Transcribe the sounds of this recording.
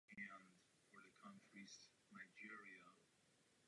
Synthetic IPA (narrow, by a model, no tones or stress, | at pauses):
æ̃nd | fə˞ðəkʰʌ̃nt͡ʃɹis | naɪd͡ʒɪɹiə